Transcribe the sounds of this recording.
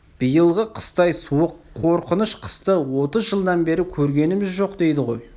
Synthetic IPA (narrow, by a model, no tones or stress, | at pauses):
b̥ijəlˠʁəqʰə̥st̪ɑjsuəqʰːo̞ɾqənəʃqʰə̥st̪əwo̞t̪əzʒəlˠd̪ɑnbe̞ɾɪkʲʰɵɾɡʲe̞nɪmɪzʒo̞qd̪e̞jd̪ɪʁo̞j